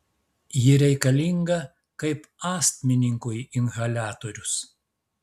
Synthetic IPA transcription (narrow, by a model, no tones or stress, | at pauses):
jɪɾʲɛɪkɐlʲiŋɡɐ | kɐɪpɑːsʲt̪ʲmʲɪnʲɪŋkʊjɪnʲɣɐlʲæːt̪oɾʲʊs